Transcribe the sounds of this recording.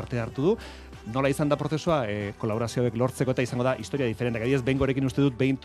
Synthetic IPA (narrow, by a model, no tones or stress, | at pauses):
ɾt̪e̞aɾt̪uðu | no̞laisand̪apɾo̞θe̞suako̞laβo̞ɾasioaeklo̞ɾt͡seko̞e̞t̪aisaŋɡoðaʔist̪o̞ɾiaðifeɾent̪eakaðiezbe̞jŋɡoːɾe̞kinust̪e̞ðut̪̚bejnt̪